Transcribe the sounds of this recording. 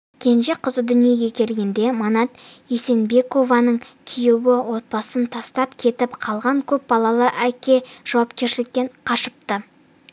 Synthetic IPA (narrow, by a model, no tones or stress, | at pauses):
kʲʰe̞nʒeqʰəzəd̪ʏnije̞ɡʲe̞kʲʰe̞lɡʲe̞nd̪e̞mɑnɑt̪ese̞nbe̞ko̞vɑnəɴkʲʰijewɪwo̞t̪̚bɑsənt̪ʰɑst̪ɑpkʲʰe̞t̪ɪpqʰɑlˠʁɑŋkʲʰɵp̚bɑlˠɑlˠəʔækʲe̞ʒ̥ɑwɑpkʲe̞ɾʃɪlɪk̚t̪e̞ɴqʰɑʃəp̚t̪ə